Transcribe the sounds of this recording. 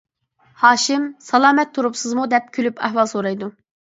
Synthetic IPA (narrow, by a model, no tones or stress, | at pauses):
hɑːʃɪmsɑlˠɑːmɛt̪ʰːuɾupsɨzmud̪ɛp̚kʲʰylypʰæ̰ɦwɑlˠsoɾɑjd̪u